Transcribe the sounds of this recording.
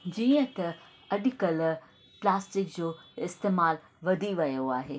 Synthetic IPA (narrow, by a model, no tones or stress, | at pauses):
d͡ʑiːə̃t̪ɐ | ɐɗɪkəl | plaːsʈɪkd͡ʑoːɪst̪eːmaːl | ʋɐd̪ʱiʋɐjoaːɦeː